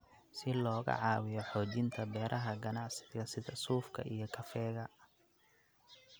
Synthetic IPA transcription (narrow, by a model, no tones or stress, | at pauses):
sɪlɔːɣɐ̰ʕɑːwɪjɔħɔːt͡ʃɪnt̪ʰɐbɛːɾʔɐɦɐɡɐnɑʕsɪ̥ɣɐsɪd̪ɐsuːfkʰɐ̰ʔijɞkʰɐfɛːɣɐ